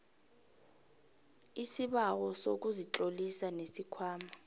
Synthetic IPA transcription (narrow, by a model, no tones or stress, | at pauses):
isiɓawɔsok̬uzit͡ɬʼolisanesikʰwaːma